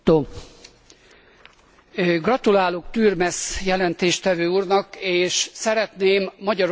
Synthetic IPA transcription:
oː | ɡrɒt̪ulaːlokt̪yːrmɛsjɛlɛnt̪eːʃt̪ɛvøːuːrnɒkeːʃsɛɾɛt̪neːmːɒɟɒɾ

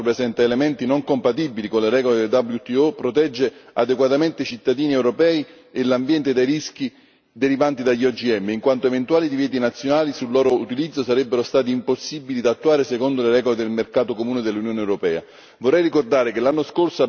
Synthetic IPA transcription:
pɾesɛnt̪aelemɛnt̪inoŋkompat̪̬ibilikonleɾɛːɡoleed̪abljut̪iopɾot̪ɛd͡ʒːead̪ekwat̪ament̪eit͡ʃit̪ːad̪iːniɛwɾopɛːi | elambjɛnt̪ed̪ejɾisk̟i | d̪eɾivant̪id̪aʎːiɔd͡ʒiɛmːeiŋkwant̪oevent̪uaːlid̪ivjɛːt̪̬inat̪sːjonaːlisulːɔːɾout̪ilid̪zːosaɾɛbːeɾost̪aːt̪̬iːmposːibilid̪at̪ːuaːɾesekond̪oleɾɛːɡoled̪elmerkaːt̪okomuːned̪elːunjoːneɛwɾopɛːa̰ | vorːɛjrikord̪aːɾekelːanːoskorsoa

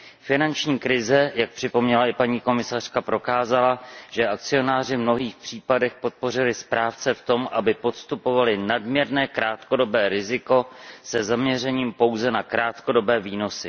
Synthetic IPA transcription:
fɪnant͡ʃɲiːkɾɪzɛjak̚pr̝̥ɪpo̞mɲɛlaɪpaɲiːko̞mɪsar̝̥kapɾo̞kaːzalaʒɛʔak̚t͡sɪo̞naːr̝ɪvmno̞ɦiːxpr̝̥iːpadɛxpo̞t̪̚po̞rɪlɪspɾaːft͡sɛft̪o̞mʔabɪpo̞t̪st̪upo̞valɪnadmɲɛɾnɛːkɾaːt̪ko̞do̞bɛːɾɪzɪko̞sɛzamɲɛrɛɲiːmpo̞wzɛnakɾaːt̪ko̞do̞bɛːviːno̞sɪ

